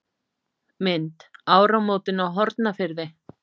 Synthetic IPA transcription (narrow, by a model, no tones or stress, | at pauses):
mɪnt̪aːwɾawmoːwt̪ɪnawɦɔɾt̪nafɪɾðɪ